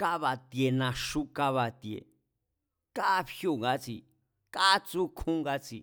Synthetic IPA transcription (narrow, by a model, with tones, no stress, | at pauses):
ka˦βa˧t̪je˧nã˧ʂu˦ka˦βa˧t̪jḛ˨ | ka˦pjo˦˧˨ŋɡa˧˦t͡sḭ˨ | ka˦t͡su˦kʰũ˦ŋɡa˧˦t͡sḭ˨